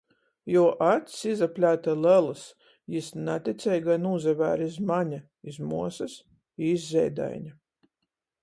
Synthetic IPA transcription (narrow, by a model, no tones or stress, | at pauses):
jɔɔʔat̪sizaplʲaːt̪alɛlˠɨs | jisnat̪ʲit̪sʲɛjɡanuːzɛvæ̰ːɾizmaɲa | izmuɔsɐs | izːʲɛ̰jd̪a̰jɲʲa